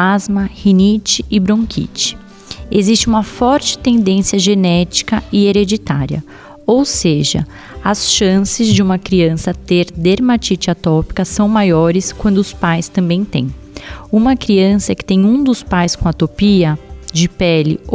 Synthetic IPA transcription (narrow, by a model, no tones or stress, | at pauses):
azmɐhinit͡ʃɪɪbɾõkʰḭt͡ʃɪ̥ | ezist͡ʃɪũmɐfɔɾt͡ʃɪ̥t̪ẽnd̪ẽsiɐʒenɛt͡ʃi̥kɐɪeɾed͡ʒit̪a̰ɾiɐ̰ | owseʒɐ̰ | ɐsʃɐ̃sɪzd͡ʒɪũmɐkɾiɐ̃sɐt̪eɾd̪eɾmat͡ʃit͡ʃɪat̪ɔpi̥kɐsɐ̃w̃majɔɾɪskwɐ̃nd̪ʊʊspajst̪ɐ̃mbẽj̃t̪ḛ̃j̃ | ũmɐkɾiɐ̃sɐɛkɪ̥t̪ẽj̃ũd̪ʊspajskõɐt̪opiɐd͡ʒɪpɛlɪ̰